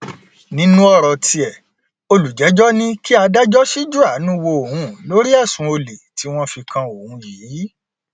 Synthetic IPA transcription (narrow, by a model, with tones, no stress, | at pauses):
nĩ˨˦nũ˦ɔ˦ɾɔ˧tʰi˧ɛ˨ | o˧lu˨d͡ʒɛ˨˦d͡ʒɔ˦nĩ˦ki˦a˧da˦d͡ʒɔ˦ʃi˦d͡ʒu˦a˨˦nũ˦wo˧o˨hũ˨˧˦lo˨˦ɾi˦a˦˨sũ˧˦o˧le˨ti˨˦w̃ɔ̃˦fi˧kã˧o˨hũ˨˧jiː˨˦